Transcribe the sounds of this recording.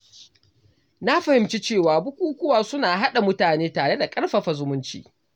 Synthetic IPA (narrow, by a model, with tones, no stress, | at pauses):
na˦ɸa˨hɪ˨mt͡ʃi˦t͡ʃeː˦˨waː˨bʊ˦kʷuː˦kʷʊ˦waː˨sʊ˦naː˨ɦa˦ɗa˨mʊ˦taː˨neː˦taː˨ɽe˦da˨kʼɐ˦ɽɸa˨ɸa˨zʊ˦mʊ˦nt͡ʃḭː˨